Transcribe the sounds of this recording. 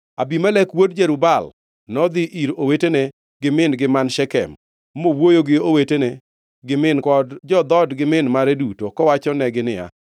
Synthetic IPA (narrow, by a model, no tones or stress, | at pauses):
abimalɛkwodd͡ʒeɾubal | nɔd̪ɪʔiɾowetene | ɡɪmɪnɡɪmanʃɛkɛ̰m | mowojoɡɪowetene | ɡɪmɪnkɔdd͡ʒɔd̪ɔdɡɪmɪnmaɾedutokɔwat͡ʃɔnɛɡɪnɪja̰